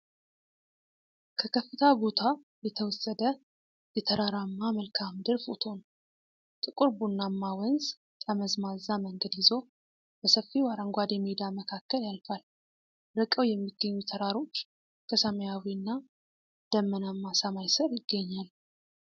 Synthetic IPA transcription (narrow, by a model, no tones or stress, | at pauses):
kʰəkʰəfːɨt̪ʰabo̞t̪ʰa | jɛt̪ʰəwɔsəd̪ə | jɛt̪ʰəɾaɾamːaməlkʰamd̪ɨɾfot̪ʰo̞n | t̪ʼɨkʼuɾbunːamːawənz | t̪ʼəməzmazːaməŋɡəd̪jɪzo̞ | b̥əsəfːiwaɾəŋɡʷad̪jɛmːied̪aməkʰakːəljalfal | ɾɨkʼəwjɛmːiɡːəɲːut̪ʰəɾaɾo̞t͡ʃː | kʰəsəməjawiɨnːa | d̪̥əmːənamːasamajsəɾjɪɡ̥ːəɲːal